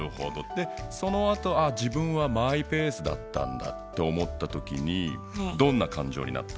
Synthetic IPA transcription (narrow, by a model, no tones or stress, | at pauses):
ɯ̟ho̞̰d̪od̪̥e̞so̞no̞at̪o̞aʑibɯ̟̃ɰ̃βamaipe̞ːsɨd̪a̰t̪ːã̰nd̪a̰t̪ːe̞o̞mo̞t̪ːat̪o̞kʲḭɲ̟i | d̪õ̞nːakãɲ̟d͡ʑo̞ːɲ̟ḭna̰t̪ːḁ